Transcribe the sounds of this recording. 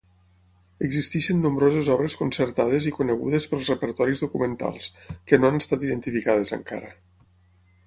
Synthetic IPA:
əɡzist̪iʃənːumbɾozəzɔβɾəskunsəɾt̪að̞ezikunəɣ̞ṵðəspəlˠzrəpəɾt̪ɔɾizðukumənt̪a̰lˠskənoanəst̪at̪iðənt̪ifikaðezə̰ŋka̰ɾə

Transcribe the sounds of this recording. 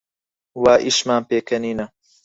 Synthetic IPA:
waːʔiʃmaːmpeːkʰɐniːnɐ

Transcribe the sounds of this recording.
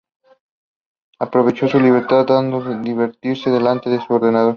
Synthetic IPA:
apɾoβ̞et͡ʃosuliβ̞eɾt̪ad̪and̪oed̪iβeɾt̪iɾseðelant̪eðesuoɾðenaðo̞ɾ

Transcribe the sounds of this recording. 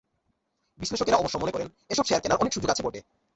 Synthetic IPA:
bisleʃokeɾaɔboʃɔmonekɔɾen | eʃɔbʃeaɾkenaɾʔɔnekʃud͡ʑoɡat͡ɕʰeboʈe

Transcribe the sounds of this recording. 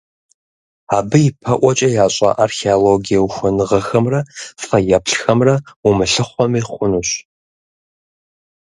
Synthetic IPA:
aːbɨjɪpʰɐʔʷɔt͡ʃʼɐjaːɕʼɐ̰ʔarxeoloɡijɐwuxʷʊnɨʁɐxɐmrɐfɐjɛpɬxɐmrɐumɨɬɨχʷɔmiːχʷʊnuɕ

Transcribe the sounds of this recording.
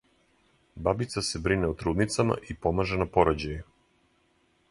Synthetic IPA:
babit̪sasebɾinɛut̪ɾuːd̪nit̪sama̰ʔipomaʒenapoɾod͡ʑaju

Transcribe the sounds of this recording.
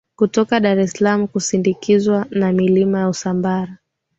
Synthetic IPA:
kutɔkaɗaɾɛslamukusindikʰizwanamilimajausambaɾa

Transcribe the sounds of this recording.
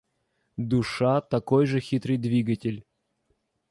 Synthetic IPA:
d̪ʊʂat̪ɐko̞jʐɨxʲit̪ɾɨjd̪vʲiɡətʲɪlʲ

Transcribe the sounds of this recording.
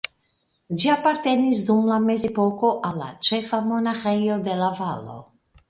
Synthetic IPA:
d͡ʒiapaɾt̪e̞nis̬d̪umlame̞zepoko̞ʔalːa̰t͡ʃefamo̞naxejo̞d̪e̞lavalo̞̰

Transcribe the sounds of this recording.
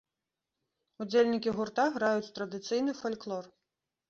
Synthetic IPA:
ud͡zʲelʲnʲikʲiɣurt̪aɣɾajut͡sʲt̪ɾɐd̪ɨt̪sɨjnɨfɐlʲklˠɔr

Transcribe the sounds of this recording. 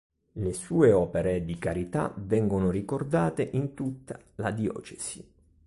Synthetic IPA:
lesuːeɔːpeɾed̪ikaɾit̪a̰vɛŋɡonorikord̪aːt̪eʔint̪ut̪ːa | lad̪iɔ̰ːt͡ʃesi

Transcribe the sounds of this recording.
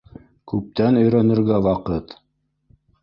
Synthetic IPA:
kʉp̚t̪ænɵ̆jɾænɘ̆ɾɡæwɑqɤt̪

